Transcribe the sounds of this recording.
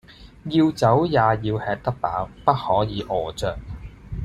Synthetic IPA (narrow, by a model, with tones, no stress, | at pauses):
jiː˧wt͡sɐ˨˥wjaː˨˧jiː˧whɛː˧k̚t̪ɐ˥k̚pa̰ː˨˥wpɐ˥t̚hɔː˨˥jiː˨˧ʔɔː˨˩t͡sœː˨˩k̚